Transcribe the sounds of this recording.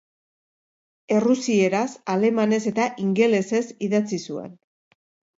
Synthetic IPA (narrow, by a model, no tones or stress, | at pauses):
e̞rusie̞ɾasale̞mane̞se̞t̪aʔiŋɡe̞le̞se̞siðat͡sisuḛn